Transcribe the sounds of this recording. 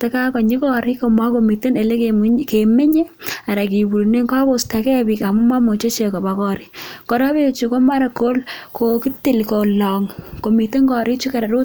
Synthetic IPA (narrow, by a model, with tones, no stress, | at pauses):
te˨ka˦kɔ˨ɲi˦kɔ˦˨ɾi˦ko˨ma˦ko˨mi˨te˦ne˨le˦kkeme˦ɲe˦a˨ɾa˨ki˨bu˨ɾne˦ŋka˦ko˦˨stakɛ˦bi˨ka˨mu˦ma˦mo˨t͡ʃo˦t͡ʃe˨ko˨ba˨kɔ˦ɾi˨kɔ˨ɾa˦be˦t͡ʃu˨ko˦ma˦ɾa˨ko˦lkʰo˨ki˦ti˦˨lko˨lɔ˨ŋko˨mi˨te˦ŋkɔ˨ɾi˦t͡ʃu˦ka˨ɾa˨ɾo˦